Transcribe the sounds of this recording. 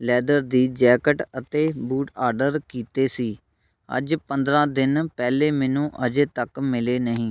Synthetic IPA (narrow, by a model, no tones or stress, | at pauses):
lɛːd̪əɾd̪iːd͡ʒɛːkəʈət̪eːbuːʈaːɾɖəɾkiːt̪eːsiː | ə̰d͡ʒpənd̪ɾãːd̪ɪnpɛːleːmɛːnũːʔəd͡ʒeːt̪əkmɪleːnəɦĩː